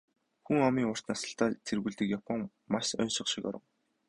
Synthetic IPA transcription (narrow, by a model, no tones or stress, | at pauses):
xuŋɔmiːŋʊr̥t̪nasə̆ɬt̪aːt͡sʰerɣŭːɮt̪ɘ̆kjapə̆ŋ | maʃœ̰nʃɪ̆χʃɪ̆kɔ̰ɾə̆ŋ